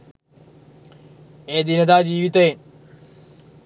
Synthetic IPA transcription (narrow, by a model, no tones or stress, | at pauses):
eːd̪inɐd̪aːd͡ʑiːʋit̪ɐen